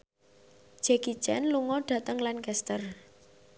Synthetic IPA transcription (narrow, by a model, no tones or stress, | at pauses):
d͡ʒ̥ɛɡ̥i̥t͡ʃɛ̰nluŋɔɖ̥ä̤t̪əŋlankɛst̪ər